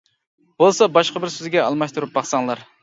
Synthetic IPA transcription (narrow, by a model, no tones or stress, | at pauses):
b̥olˠsɑbɑʃqəbɪɾsøzɡʲɛɑlˠmɑʃt̪uɾup̚bɑχsɑŋlˠɑɾ